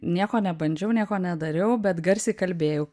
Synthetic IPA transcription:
nʲiɛkoːnʲɛbɐnʲd͡ʒʲɛʊnʲiɛkoːnʲɛd̪ɐɾʲɛʊbʲɛt̪ɡɐɾʲsʲiːkɐlʲbʲeːjɛʊ

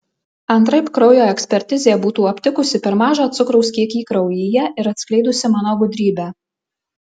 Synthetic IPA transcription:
ɐnt̪ɾɐɪpkɾɔʊjoːɛksʲpʲɛɾʲt̪ʲɪzʲeːbuːt̪uːɐpʲt̪ʲɪkʊsʲɪpʲɛɾmɑːʒoːt̪sʊkɾɒʊskʲiɛkʲiːkɾɐʊjɪjɛʔɪɾɐt̪ʲsʲklʲɛɪd̪ʊsʲɪmɑːnoːɡʊd̪ʲɾʲiːbʲæː

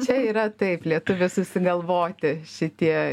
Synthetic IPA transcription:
t͡ʃʲɛiːɾɐt̪ɐɪplʲiɛt̪ʊʋʲɪsʊsʲɪɡɐlˠʋoːt̪ʲɪʃʲɪt̪ʲiɛ

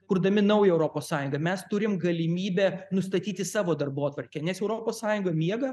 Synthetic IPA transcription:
kʊɾd̪ɐmʲɪnɐʊjɛɛʊɾoːpoːssɑːjʊŋɡɐmʲɛst̪ʊɾʲɪmɡɐlʲɪmʲiːbʲɛːnʊst̪ɐt̪ʲiːt̪ʲɪsɑːʋoːd̪ɐrboːt̪ʋɐɾʲkʲɛnʲɛsɛʊɾoːpoːssɑːjʊŋɡomʲiɛɡɐ

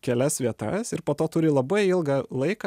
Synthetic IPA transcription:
kʲɛlʲɛsʋʲiɛt̪ɐsɪɾpoːt̪oːt̪ʊɾʲɪlˠɐbɐɪɪlˠɡɑlˠɐɪkɑ

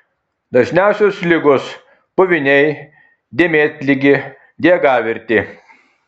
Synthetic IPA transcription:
d̪ɐʒʲnʲæˑʊsʲʊslʲɪɡʊs | pʊʋʲɪnʲɛɪ | d̪ʲeːmʲeːt̪ʲlʲɪɡʲɪ | d̪ʲiɛɡɑːʋʲɪɾʲt̪ʲɪ

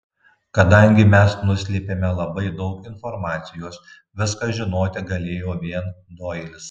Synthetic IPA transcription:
kɐd̪ɐŋʲɡʲɪmʲɛsnʊsʲlʲeːpʲeːmʲɛlˠɐbɐɪd̪ɒʊkɪnfɔɾmɑːt̪sʲɪjoːs | ʋʲɪskɐʒʲɪnoːt̪ʲɪɡɐlʲeːjoːʋʲiɛnd̪oːɪlʲɪs

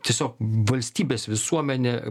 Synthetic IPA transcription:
t̪ʲiɛsʲoːkʋɐlʲsʲt̪ʲiːbʲeːsʋʲɪsuɔmʲɛnʲe

